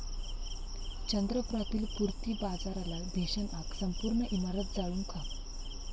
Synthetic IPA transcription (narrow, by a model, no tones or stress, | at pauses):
t͡ɕənd̪ɾəpuɾat̪iːlpuɾt̪iːbad͡zaɾalabʱeɕənaksəmpuɾɳəʔimaɾət̪̚d͡zaɭuːŋkʰa